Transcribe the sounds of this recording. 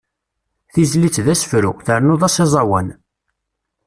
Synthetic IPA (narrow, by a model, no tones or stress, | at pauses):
θizlit͡sːðæsə̥fɾuθəɾnoðˤɑsezˤɑwæn